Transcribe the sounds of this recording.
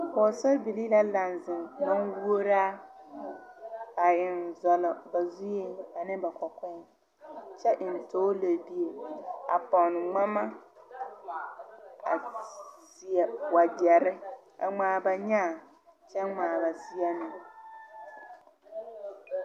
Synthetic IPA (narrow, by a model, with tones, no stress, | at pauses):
pɔː˨sɔ˦bi˨li˦la˦la˨nzɪ˨ŋma˦nwu˦o˦ɾaː˦ | a˨ɪ˨nzɔ˨lɔ˨ba˨zu˦je˦a˨nɪ˦ba˨kɔ˨kɛ˦ | t͡ʃɛ˦ʔɪ˨n˨toː˦le˨bi˦e˨a̰˨pɔ˨n˨ŋ͡ma˦ma˦ | a̰˨si˨ɛ˨wa˨ɡɛ˨ɾɪ˦a̰˨ŋ͡maː˨ba˨ɲaː˦˨ | t͡ʃɛ˦ŋ͡maː˨ba˨si˦a˦nɪ˨